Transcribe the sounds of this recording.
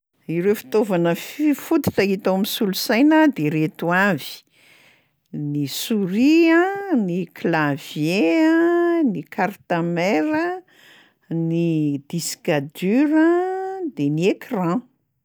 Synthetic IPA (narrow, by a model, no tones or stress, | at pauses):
iɾefi̥t̪ovanəfifut̪i̥t̪ait̪awmisulusajnad̪eɾet̪uavi̥ | nisuɾiãniklavjeənikart̪ameɾə | nid̪isi̥kad̪yɾəd̪eniekrã